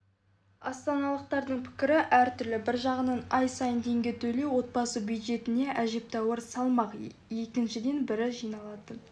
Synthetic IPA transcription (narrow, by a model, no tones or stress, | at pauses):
ɑst̪ɑnɑlˠəq̚t̪ɑɾd̪əɴpʰɪ̥kʲɪɾɪʔæɾt̪ʰʏɾlɪbɪɾʒɑʁənɑnɑjsɑjənt̪ʰe̞ŋɡʲe̞t̪ʰɵle̞wwo̞t̪̚bɑsəbjujd̪ʒe̞t̪ɪne̞ʔæʒe̞p̚t̪ɑwəɾsɑlˠmɑq | je̞kʲɪnʃɪd̪e̞nbɪɾɪʒijnɑlˠɑd̪ə